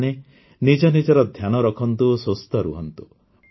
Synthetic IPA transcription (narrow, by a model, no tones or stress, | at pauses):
ne | nid͡ʒɔnid͡ʒɔɾɔd̪ʱjanɔɾɔkʰɔnt̪uosost̪ʰɔɾṵɦɔnt̪u